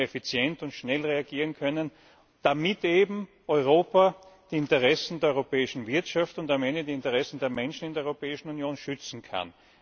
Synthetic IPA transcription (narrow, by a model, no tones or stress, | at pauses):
efit͡sjɛntʊntʃnɛlʁeaɡiːʁ̞ənkʰœnən | d̥amɪteːbm̩ | ʔɔʏʁ̞oːpad̥iːɪntəʁɛsn̩deːɐɔʏʁopɛːɪʃn̩vɪɐtʃaftʊndamɛndədiːɪntəʁɛsn̩deːɐmɛnʃn̩ɪndeɐɔʏʁopɛːɪʃn̩unjoːnʃʏt͡sn̩kʰa̰n